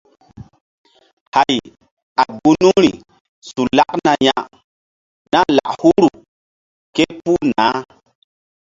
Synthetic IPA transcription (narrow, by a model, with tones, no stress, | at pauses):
ha˨j | a˨bu˦nu˦ŋɾi˨ | su˨la˦kna˨ja˦˨ʔ | na˦la̰˨ʔhu˦ɾu˨ | ke˦pu˦naː˨˦